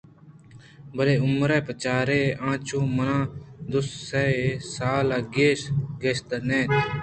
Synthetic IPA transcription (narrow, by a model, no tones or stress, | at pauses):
bəleːʊmɾeːpət͡ʃaːɾeːʔãːt͡ʃõːmənãːd̪ʊssesaːlaːɡeːsɡeːst̪əneːt̪